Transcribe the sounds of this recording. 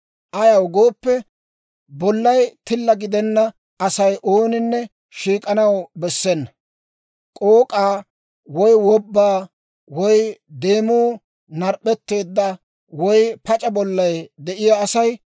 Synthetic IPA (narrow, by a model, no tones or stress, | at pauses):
ʔɐjɐwɡo̞ːpːɛ | bɔlːɐjt̪ɪlːɐɡɪd̪ɛnːɐ | ɐsɐjʔoːnɪnːɛ | ʃiːkʼɐnɐwbɛsːɛnːɐ | kʼoːkʼaː | wɔjwɔbːaː | wɔjd̪e̞ːmuː | nɐɾpʼːɛt̪ːe̞ːd̪ːɐ | wɔjpɐt͡ʃʼɐbɔlːɐjd̪ɛʔɪjaːsɐj